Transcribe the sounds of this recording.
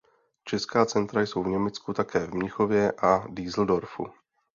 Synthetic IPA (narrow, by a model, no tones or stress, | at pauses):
t͡ʃɛskaːt͡sɛnt̪ɾajso̞wvɲɛmɛt͡skut̪akɛːvmɲɪxovjɛʔadiːzl̩do̞ɾfṵ